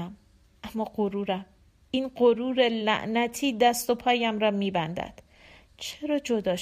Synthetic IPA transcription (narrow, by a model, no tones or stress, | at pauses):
m | ʔæmːɒːɢoɾuːɾæm | ʔinɢoɾuːɾelæ̰ʔnæt̪ʰiːd̪æst̪o̞pʰɒːjæmɾɒːmiːbænd̪æ̰d̪̥ | t͡ʃʰe̞ɾɒːd͡ʒo̞d̪ɒːʃ